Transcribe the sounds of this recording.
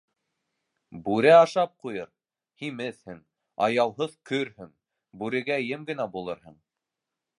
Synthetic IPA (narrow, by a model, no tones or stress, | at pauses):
bʉɾæɑʃɑp̚qujɤɾ | himɘθhɘŋ | ɑ̰jɑwɦɤðkɵɾhɵŋ | bʉɾɘ̆ɡæ̆jɘmɡɘ̆næbulˠɤɾɦɤɴ